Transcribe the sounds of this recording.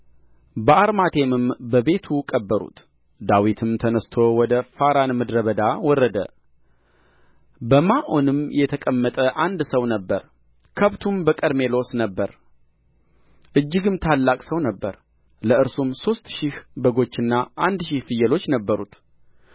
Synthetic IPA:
bəaɾmat̪ʰe̞mɨmbəbe̞t̪ʰukʼəbːəɾṵt̪ | d̪awit̪ʰɨmt̪ʰənəst̪ʰo̞wɔd̪əfaɾanmɨd̪ɾəβəd̪awɔrːəd̪ə̰ | bəmaʔo̞nɨmjɛt̪ʰəkʼəmːət̪ʼəʔand̪səwnəbːəɾ | kʰəβt̪ʰumbəkʼəɾme̞lo̞snəbːəɾ | ʔɨd͡ʒːɪɡɨmt̪ʰalːakʼsəwnəbːəɾ | ləɨɾsumso̞st̪ʃɪhbəɡo̞t͡ʃːɨnːaʔand̪ʃihfɨjɛlo̞t͡ʃːnəbːəɾut̪

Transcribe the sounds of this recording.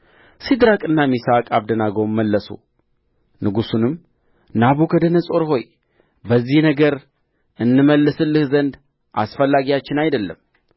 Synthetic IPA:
sid̪ɾakʼɨnːamisakʼaβd̪ənaɡowmːəlːəsṵ | nɨɡusunɨm | naβukʰəd̪ənəsʼo̞ɾɦo̞j | bəzːihnəɡəɾ | ɨnːɨməlːɨsɨlːɨhzənd̪ | ʔa̰sfəlːaɡijat͡ʃːɪnajd̪əlːə̰m

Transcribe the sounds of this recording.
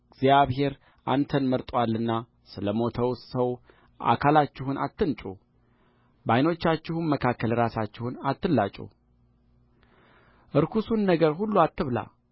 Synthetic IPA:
ɡzjaβɦe̞ɾ | ʔant̪ʰənməɾt̪ʼwalːɨnːa | sɨləmo̞t̪ʰəwsəw | ʔa̰kʰalat͡ʃːɪhuna̰t̪ːɨnt͡ʃʼu | bajno̞t͡ʃːat͡ʃːɪhunməkʰakːəlɾasat͡ʃːɪhunat̪ːɨlːat͡ʃʼṵ | ʔɨɾkʰusunːəɡəɾɦulːuat̪ːɨβla̰

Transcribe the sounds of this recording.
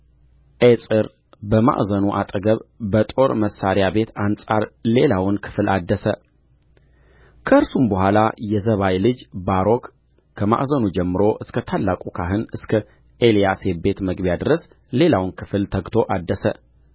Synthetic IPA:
ʔesʼɨɾ | bəma̰ʔzənuʔat̪ʼəɡəβbət̪ʼo̞ɾməsaɾjabe̞t̪ansʼaɾle̞lawnkʰɨ̥flad̪ːəsə | kʰəɨɾsumbəhʷalajɛzəβajlɨd͡ʒbaɾo̞kːʰ | əma̰ʔzənud͡ʒɛmːɨɾo̞ʔɨskʰət̪ʰalːakʼukʰaɦɨnɨskʰə | ʔelijase̞be̞t̪məɡbjad̪ɨɾəs | le̞lawnkʰɨ̥flt̪ʰəɡt̪ʰo̞ʔad̪ːəsə

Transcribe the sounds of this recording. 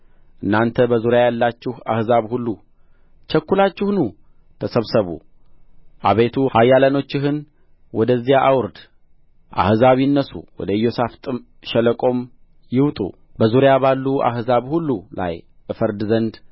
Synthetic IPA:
ʔɨnːant̪ʰəbəzuɾjajalːat͡ʃːɪha̰hzaβhulːu | t͡ʃʰɛkːulat͡ʃːɪhnu | t̪ʰəsəβsəβṵ | ʔaβet̪ʰuhajːaləno̞t͡ʃːɪɦɨn | wɔd̪əzːijaʔawʊɾd̪ | ʔa̰hɨzaβiɨnːəsṵwɔ̰d̪əɨjo̞saft̪ʼɨm | ʃɛləkʼo̞m | jɪwt̪ʼṵ | bəzuɾjaβalːuʔa̰ɦzaβhulːula̰jʔɨfəɾd̪zənd̪

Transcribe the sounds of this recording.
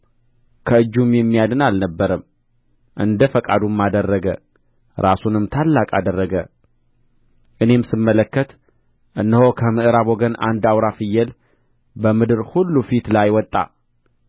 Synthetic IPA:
kʰəɨd͡ʒːumjɛmːijad̪ɨnalnəbːəɾəm | ʔɨ̰nd̪əfəkʼa̰d̪umːad̪ərːəɡə | ɾasunɨmt̪ʰalːakʼad̪ərːəɡə | ʔɨne̞msɨmːələkːət̪ | ʔɨnːəhokʰəmɨʔɨɾaβoɡəna̰nd̪awɾafɨjːɛl | bəmɨd̪ɨɾhulːufit̪lajwɔt̪ʼːa̰

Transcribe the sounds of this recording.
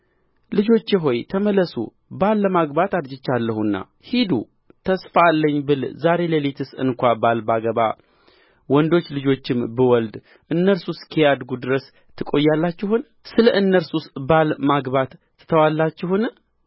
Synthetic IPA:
lɨd͡ʒo̞t͡ʃːeɦo̞jt̪ʰəmələsṵ | balːəmaɡbat̪ad̪d͡ʒɪt͡ʃːalːəhunːa̰ | hid̪ṵ | t̪ʰəsfalːəɲːbɨlzaɾe̞ləlet̪ʰɨsɨ̰nkʷabalbaɡəβa̰ | wɔnd̪o̞t͡ʃːlɨd͡ʒo̞t͡ʃːɪmbɨwɔld̪ | ʔɨnːəɾsuskʰijad̪ɡud̪ɨɾəs | t̪ʰːɨkʼo̞jːalːat͡ʃːɪhun | sɨləʔɨnːəɾsusbalmaɡbat̪ː | t̪ʰəwalːat͡ʃːɪhʊn

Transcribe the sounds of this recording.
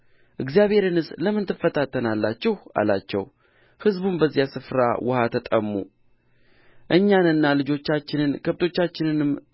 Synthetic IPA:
ʔɨɡzijaβhe̞ɾɨnɨsləmːɨnt̪ʰɨfːət̪ʰat̪ʰːənalːat͡ʃːɛha̰la̰t͡ʃːɛ̰w | hɨzbunbəzːjasɨfɾa̰wʔʊhat̪ʰət̪ʼəmːṵ | ʔɨɲːanɨnːalɨd͡ʒo̞t͡ʃːat͡ʃːɪnɨnkʰəβt̪ʰo̞t͡ʃːat͡ʃːɪnɨnɨm

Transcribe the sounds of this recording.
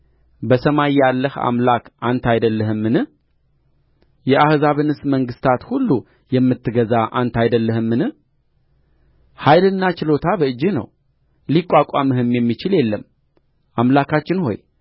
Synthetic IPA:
bəsəmajːalːəha̰mlakʔant̪ʰajd̪əlːəhɨmːɨnɨ | jɛʔahzaβɨnɨsməŋɡɨst̪ʰat̪hulːu | jɛmːɨt̪ːɨɡəzaʔant̪ʰajd̪əlːəhɨmːɨnh | hajlɨnːat͡ʃɪlo̞t̪ʰabəɨd͡ʒːɨnə̰w | likʼːakʼamɨhɨmjɛmːit͡ʃɪljɛlːəm | ʔamlakʰat͡ʃːɪnho̞̰j

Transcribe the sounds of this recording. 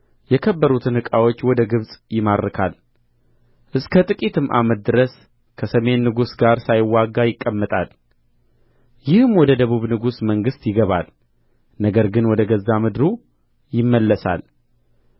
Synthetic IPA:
jɛkʰəbːəɾut̪ʰɨnhɨkʼawo̞t͡ʃːwɔd̪əɡɨβsʼjɪmad̪ɾɨkʰal | ʔɨskʰət̪ʼɨkʼit̪ʰɨmʔa̰mət̪̚d̪ɨɾəs | kʰəsəme̞nːɨɡusɡaɾsajɪwːaɡːajɪkʼːəmːət̪ʼal | jɪhɨmwɔd̪əd̪əβuβnɨɡusməŋɡɨst̪jɪɡəβa̰l | nəɡəɾɡɨnwɔd̪əɡəzːamɨd̪ɾu | jɪmːəlːəsa̰l

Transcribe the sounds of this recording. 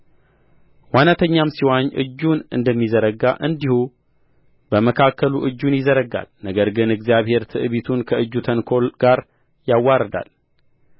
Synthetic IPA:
wanat̪ʰəɲːamsiwaɲːʔɨ̰d͡ʒːunɨnd̪əmːizəɾəɡaʔɨnd̪ihu | bəməkʰakːəluʔɨd͡ʒːunjɪzəɾəɡa̰lnəɡəɾɡɨnɨɡzijaβhe̞ɾt̪ʰɨʔɨβit̪ʰunkʰəʔɨd͡ʒːut̪ʰənkʰo̞lɡ̥aɾ | jawːaɾəd̪a̰l

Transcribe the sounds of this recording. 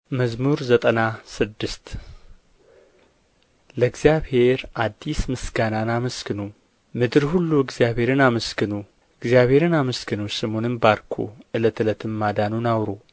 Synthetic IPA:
məzmuɾzət̪ʼənasɨd̪ːɨst̪ | ləɨɡzijaβhe̞ɾʔad̪ːismɨsɡananaməskʰɨnu | mɨd̪ɨɾhulːuɨɡzijaβhe̞ɾɨnaməskɨnu | ʔɨɡzjaβhe̞ɾɨnaməskʰɨnusɨmo̞nɨnbaɾkʰo̰ʔɨlət̪ʰɨlət̪ʰɨmːad̪anunawɾo

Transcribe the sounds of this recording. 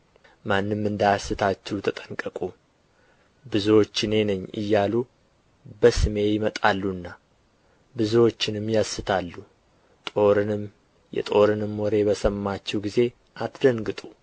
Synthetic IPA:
manːɨmːɨnd̪ajasːɨt̪ʰat͡ʃːɛwt̪ʰət̪ʼə̥ŋkʼəkʼu | bɨzuwo̞t͡ʃːɪne̞nəɲːɨ̰jːalu | bəsɨme̞jɪmət̪ʼalːuɨnːa | bɨzwo̞t͡ʃːɪnɨmːjasːɨt̪ʰalːu | t̪ʼo̞ɾɨnɨm | jɛ̰t̪ʼo̞ɾɨnɨmːwɔɾe̞bəsəmːat͡ʃːɛwɡize̞ | ʔat̪d̪əŋɡɨt̪ʼu

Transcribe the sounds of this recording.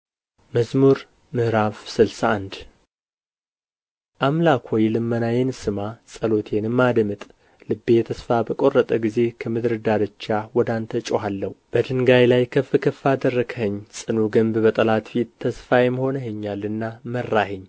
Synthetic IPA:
məzmuɾ | mɨhɾafsɨlsaːnd̪ | ʔamlakʰojlɨmːənajensɨmasʼəlo̞t̪ʰe̞nɨmːad̪mɨt̪ʼ | lɨbːejɛt̪ʰəsfabəkʼo̞rːət̪ʼəɡize̞kʰəmɨd̪ɾɨd̪ad̪ɨt͡ʃːawɔd̪ant̪ʰət͡ʃʼoɦalːəhub̥əd̪ɨŋɡajlajkʰəfːɨkʰəfad̪ərːəɡʰhəɲːsʼɨnuɡəmbbət̪ʼəlat̪fit̪t̪ʰːəsfajmho̞nəheɲːalːɨnːamərːaheɲː

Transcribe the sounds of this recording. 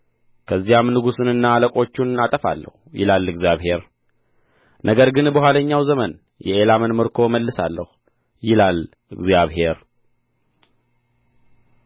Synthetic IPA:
kʰəzːijamnɨɡusɨnɨnːaːləkʼo̞t͡ʃːunat̪ʼəfa̰lːə̰hujɪ̰lalːɨɡzjaβɦe̞ɾ | nʔəɡəɾɡɨnbəhʷwaləɲːawzəmən | jɛʔelamənmɨɾkʰo̞məlːɨsalːəhu | jɪlal | ɨɡzjaβhe̞ɾ

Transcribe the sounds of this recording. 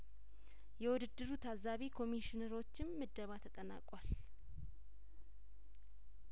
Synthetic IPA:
jɛwʊd̪ɨd̪ːɨɾut̪ʰazaβikʰo̞miʃɪnəɾo̞t͡ʃːɪmːɨd̪ːəβat̪ʰət̪ʼəna̰kʼwal

